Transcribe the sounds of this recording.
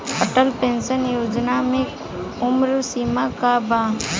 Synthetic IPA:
əʈəlpẽːnsənjoːd͡ʒnamẽ | ʊmɾusiːmakabaː

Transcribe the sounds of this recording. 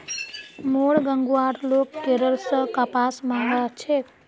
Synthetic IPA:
moɽɡəŋɡuaːɾloːkːeɾəɾsəkapaːsmãŋɡat͡ʃʰe

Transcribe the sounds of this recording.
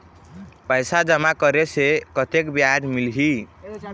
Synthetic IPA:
pəjsad͡ʒəmakəɾesekət̪ekbjad̪milɦi

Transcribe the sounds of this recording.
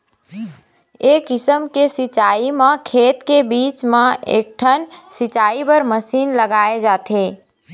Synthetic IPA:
eːkɪsəmkesit͡ʃaimãkʰeːt̪kebiːt͡ʃmẽḛːk̚ʈʰənsit͡ʃaibəɾməsiːnləɡaːed͡ʒaːt̪e

